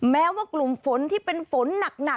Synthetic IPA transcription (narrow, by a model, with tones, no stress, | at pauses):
mɛː˦˥waː˥˩klu˨˩mfo˩˦nt̪ʰiː˥˩pe˧nfo˩˦nːa˨˩k̚na˨˩